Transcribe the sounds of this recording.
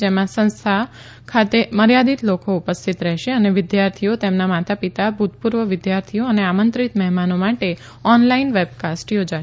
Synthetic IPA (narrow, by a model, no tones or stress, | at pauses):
d͡ʒemãsə̃nst̪ʰa | kʰat̪eməɾjad̪it̪lokoupəst̪ʰit̪ɾɛɦʃeəneʋɪd̪jaɾt̪ʰijot̪emnamat̪apit̪abʱut̪puɾʋəʋɪd̪jaɾt̪ʰijoəneamə̃nt̪ɾit̪mɛɦmanomaʈe | ɔnlainʋeb̚kasʈjod͡ʒaʃ